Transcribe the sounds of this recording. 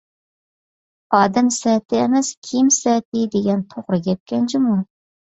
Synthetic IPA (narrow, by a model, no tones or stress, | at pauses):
ɑːd̪ɛmsɛt̪ʰɪːmɛskʲʰimsɛt̪ɪd̪eɡʲɛnt̪ʰoʁɾɨkʲɛt̪̚kʲɛnt͡ʃʰimu